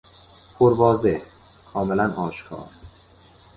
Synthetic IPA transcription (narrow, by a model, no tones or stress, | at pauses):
pʰoɾbɒːzeh | kʰɒːmelænɒːʃkʰɒ̰ːɾ